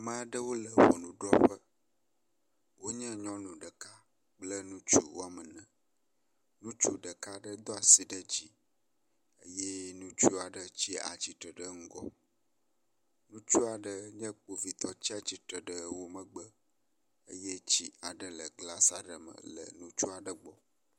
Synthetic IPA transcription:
mə̃˦a˨ɖə˦wo˦lə˨wɔ̰˨nũ˦ɖɾɔ˦ɸə˦ | wo˦ɲɛ̃˦ɲɔ̃˦nũ˨ɖə˨ka˦ | k͡plə˦nũ˦t͡ʃu˦wo˦a˨mə˨nɛ̃˨ | nũ˦t͡ʃu˦ɖə˨ka˦ɖə˦d̪ɔ˦a˨si˨ɖə˦d͡ʑi˦ | ə̰˦jɛ˦nũ˦t͡ʃu˦a˨ɖə˨t͡ɕi˦a̰˨t͡ɕi˨t̪ɾə˨ɖə˦ŋ̩˦ɡɔ̰˦ | nũ˦t͡ʃu˦a˨ɖə˦ɲɛ̃˦k͡po˨vi˨t̪ʰɔ˨t͡ɕi˦a˨t͡ɕi˦tɾə˨ɖə˨wo˦mə̃˨ɡ͡bə˦ | ə̰˦jɛ˦t͡ɕi˦a˨ɖə˨lə˨ɡla˦sa˨ɖə˨mə̰̃˨lə̰˨nũ˦t͡ʃu˦a˨ɖə˨ɡ͡bɔ˨

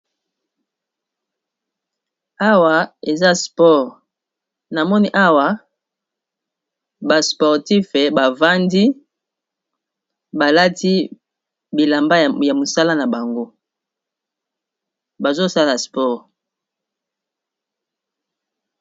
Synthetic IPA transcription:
a˦wa˨e˨za˦spɔ˦ʁ | na˨mɔ˦ni˦ʔa˦wa˨ | ba˨spɔ˨ʁti˦fe˨ba˨va˦ndi˦ | ba˨la˦ti˦ | bi˨la˨mba˦˨ja˨mo˨sa˦la˦na˨ba˨ŋɡo˦ | ba˨zo˦sa˦la˨spɔ˦ʁ

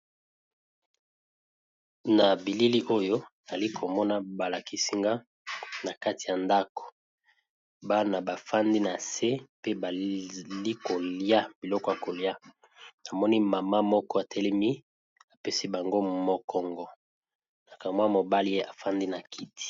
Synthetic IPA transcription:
na˨bi˨li˦li˦ʔo˦jo˦˨a˨li˦kʰo˨mɔ˦na˦ba˨la˨ki˦si˦ŋɡa˦ | na˨ka˦ti˨ja˨nda˦kɔ̥˨ | ba˦na˨ba˨fa˦ndi˦na˨se˦pe˦ba˨li˦ko˨li˦a˦b̥i˨lɔ˦kɔ˨ja˨ko˨lja˦ | na˨mɔ˦ni˦ma˨ma˦mɔ˦kɔ˦a˨tʰɛ˦lɛ˦mi˦ | a˨pe˦si˦ba˨ŋɡo˦mɔ˦kʰɔ˦ŋɡɔ˦ | na˨ka˨mwmo˨ba˦li˦je˦ʔa˨fa˦ndi˦na˨kʰi˦tʰi̥˨

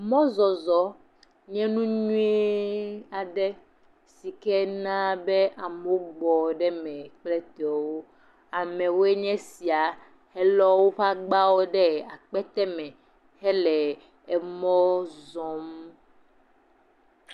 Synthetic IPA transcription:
mɔ̃˦zɔ˨zɔ˨ | ɲɛ̃˦nũ˦ɲũ˦e˦a˨ɖɛ˦ | si˨kɛ˦nã˦bɛ˦ʔa˨mo˦ɡ͡bɔ˨ɖɛ˦mɛ̃˨k͡plɛ˦t̪e˨ɔ˨wo˦ | a˨mɛ̃˨wo˦e˦ɲɛ̃˦si˨a˨ | hɛ˦lɔ˦wo˦ɸa˦ɡ͡ba˦wo˦ɖɛ˦a˨k͡pɛ˦t̪ɛ˦mɛ̃˨ | hɛ˦lɛ˨ | ɛ˨mɔ̃˦zɔ̃˦m˦

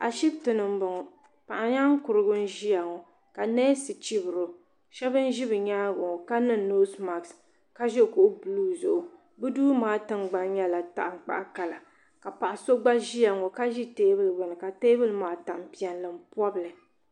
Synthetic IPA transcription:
a˨ʃi˦btɨ˨nɨ˨m̩˦bɔ˨ŋɔ˨ | pa˨ʔa˨ɲa˦ŋ˦kʊ˨ɾɨ˦ɡʊ˦n̩˦ʒi˦ja˨ŋɔ˨ | ka˨neː˦sɨ˨t͡ʃi˦bɨ˨ɾo˨ | ʃɛ˦bɨ˦n̩˦ʒi˦bɨ˨ɲaː˦ɡʊ˨ŋɔ˨ka˦nɨ˦˨no˦sma˨ks | ka˦ʒɛ˦˨ko˨ʔʊ˦bluː˦zʊ˨ʔʊ˨ | bɨ˦duː˦maː˦tɨ˦ŋɡ͡ba˦n˦ɲɛ˦la˨ta̰˦ʔ̩˨k͡pa̰˨ʔa˦ka˨la˨ | ka˨pa˨ʔa˨so˦ɡ͡ba˦ʒi˦ja˨ŋɔ˨ka˦ʒi˦teː˦bɨ˦lbɔ˨nɨ˨ka˨teː˦bɨ˦lmaː˦ta˨mpi˦ɛ˨nlɨ˨m̩˦pɔ˦bɨ˨lɨ˨

